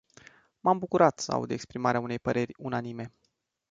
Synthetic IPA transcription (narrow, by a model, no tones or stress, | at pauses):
mambukuɾat̪səa̰ṵd̪ekspɾimaɾeaune̞jpəɾe̞rʲunanime̞